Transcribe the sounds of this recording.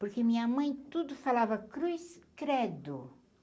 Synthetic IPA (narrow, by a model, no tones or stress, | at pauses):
poɾkemĩɲɐamɐ̃j̃t̪ud̪ʊfalavɐkɾujskɾɛd̪ʊ